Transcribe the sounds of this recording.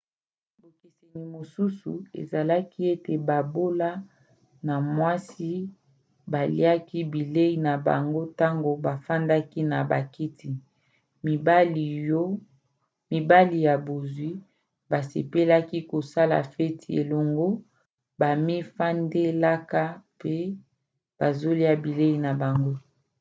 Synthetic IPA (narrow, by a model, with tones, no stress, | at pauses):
bo˨ke˨se˨ni˨mo˨su˦su˨ḛ˨za˨la˦ki˦e˦te˨ba˨bo˦la˦ | na˨mwa˦si˦ | ba˨lḭ˦a˦ki˦bi˨le˦i˨na˨ba̰˨ŋɡo˦ta˦ŋɡo˨ba˨fa˦nda˦ki˦na˨ba̰˨ki˦ti˨ | mi˨ba˦li˨o˦ | mi˨ba˦li˨ja˨bo˨zwi˦ | ba˨sḛ˨pe˦la˦ki˦ko˨sa˦la̰˨fɛ˦ti˨ḛ˨lo˨ŋɡo˦ | ba˨mi˦fa˦nde˦la˦ka˦pe˦ | b̥a˨zo˦li˦a˦bi˨le˦i˨na˨ba˨ŋɡo˦